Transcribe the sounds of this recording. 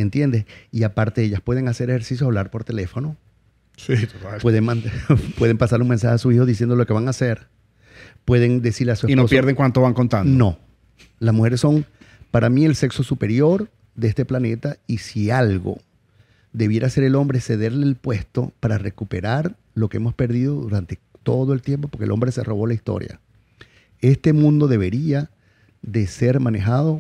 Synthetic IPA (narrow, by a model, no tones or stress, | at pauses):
ent̪je̞nd̪esiapaɾt̪eeʝaspwe̞ðe̞ŋase̞ɾexe̞ɾsisjoaβ̞laɾpo̞ɾt̪e̞le̞fo̞no̞ | sit̪ot̪alpweðeŋmãnt̪pweðe̞mpasaɾuŋmens̬axeasuihoðis̬je̞nd̪olo̞ke̞βaŋaseɾ | pwe̞ðe̞ŋd̪e̞siɾleasueinoospjeɾðeŋkwant̪oβaŋko̞nt̪andnono̞ | lasmuxe̞ɾesːo̞ŋpaɾamie̞lse̞kso̞supe̞ɾjo̞ɾ | d̪eest̪e̞plane̞t̪aisialɣo̞̰ | ðeβ̞je̞ɾase̞ɾe̞lo̞mbɾeese̞ðe̞ɾleːlpwe̞st̪o̞̰paɾare̞kupe̞ɾaɾ | lo̞keemo̞spe̞ɾðiðo̞ðuɾant̪e̞t̪o̞ðo̞e̞lt̪jemp̬o̞po̞ɾkḛlo̞mbɾe̞se̞ro̞β̞o̞laist̪o̞̰ɾja̰ | e̞st̪e̞mũnd̪o̞ðe̞βe̞ɾia | ðe̞se̞ɾmane̞xaðo̞